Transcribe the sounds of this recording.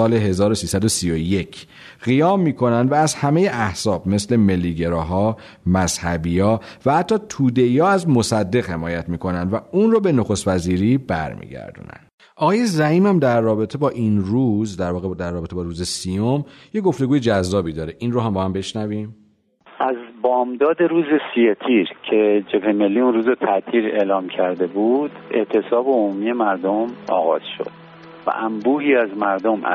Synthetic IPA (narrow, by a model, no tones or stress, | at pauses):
ɒːle̞ɦe̞zɒːɾosiːsæd̪o̞sijoje̞cʰ | ɢ̥ijɒːmːiːkʰo̞nænd̪væːzhæme̞jeʔæhz̥ɒːb̚me̞sle̞me̞lːiːɟe̞ɾɒːɦɒː | mæz̥hæbiːɒːvæhæt̪ʰːɒːt̪ʰuːd̪e̞jɒːæzmo̞sæd̪ːe̞ɣhe̞mɒːjæt̪ʰmiːkʰo̞nænd̪væuːnrobe̞noxost̪væziːɾiːbæ̰ɾmḭːɟæ̰ɾd̪ṵːnæ̰nd̪̥ | ɒɣɒːje̞zæhiːmæmd̪æɾːɒːbe̞t̪ʰebɒːʔinruːzd̪æɾvɒːɣed̪æɾrːɒːbe̞t̪ʰebɒːɾuːze̞sijomjeɡo̞ft̪e̞ɡuːjed͡ʒæzːɒːbid̪ɒːɾeʔinroɦæmbɒːhæmbe̞ʃnæviːm | ʔæzbɒːmd̪ɒːd̪e̞ɾuːze̞sijet̪ʰiɾcʰe̞d͡ʒe̞pʰheme̞lːiːunɾuːzot̪ʰæʔt̪ʰiːɾe̞lɒːmcʰæɾd̪e̞buːd̪̥e̞̰ʔt̪ʰe̞sɒːbeomuːmije̞mæɾd̪omɒ̰ːɣɒ̰ːz̥ʃo̰d̪̥̚ | væ̰ʔæmbuːhiːæzmæɾd̪o̞m̰